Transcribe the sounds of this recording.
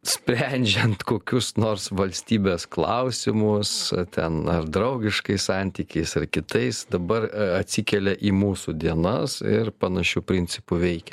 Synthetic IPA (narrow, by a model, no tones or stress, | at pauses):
sʲpʲɾʲɛnʲd͡ʒʲɛnt̪koːkʲʊsnoːrsʋɐlʲsʲt̪ʲiːbʲeːsklˠɐ̰ʊsʲɪmʊst̪ʲɛnɐrd̪ɾɐʊɡʲɪʃkɐɪssɑnʲt̪ʲiːkʲɛɪsɐrkʲɪt̪ɐɪsd̪ɐbɐrɐt̪ʲsʲikʲɛlʲɛʔiːmuːsud̪ʲiɛnɐsɪ̰ɾpɐnɐʃʲupʲɾʲɪnʲt͡s̪ʲɪpʊʋʲɛɪkʲɛ